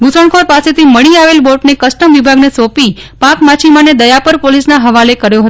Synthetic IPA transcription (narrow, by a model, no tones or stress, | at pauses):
ɡusəɳkʰoɾpaset̪ʰiməɭiaʋelboʈnekəsʈəmʋibʱaɡnesopipakmat͡ʃʰimaned̪əjapəɾpolisnaɦəʋalekəɾjoɦət̪